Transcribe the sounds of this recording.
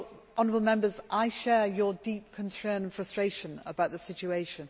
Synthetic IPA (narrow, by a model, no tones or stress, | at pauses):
ɒ̃nəɹəbəl̩ˠmɛ̃mbəzʔaɪʃɛːjədiˑp̚kʰə̃nsɜːnə̃nfɹʌstɹ̥eɪʃə̃nə̰baʊʔ̪ðəsɪt͡ʃueɪʃə̃n